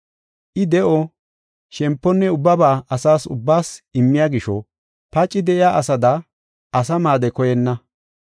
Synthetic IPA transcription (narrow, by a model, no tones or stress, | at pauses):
ʔɪd̪ɛʔɔ | ʃɛmpːɔnːɛʊbːɐbaːʔɐsaːsʊ̰bːaːsɪmːɪjaːɡɪʃɔ | pɐt͡ʃʼːɪd̪ɛʔɪjaːʔɐsɐd̪ɐ | ɐsɐmaːd̪ɛkɔjɛnːɐ